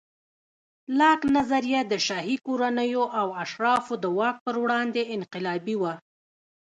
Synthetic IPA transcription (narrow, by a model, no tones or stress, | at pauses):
lɑknazaɾijad̪əʃɑɦikoɾanəjoʔawaʃɾɑfod̪əwɑk̚pəɾwɽɑnd̪eɪnqɪlɑbiwa